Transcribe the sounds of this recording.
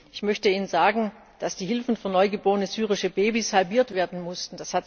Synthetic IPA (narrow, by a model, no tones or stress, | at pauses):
ʔɪçmœçtəiːnənzaːɡŋ̩ | d̥asd̥iːɦɪlfn̩fyːɐnɔʏɡəboːʁənəzyːʁɪʃəbeːbishalbiːɐtv̥eːɐdn̩mʊstn̩d̥ashat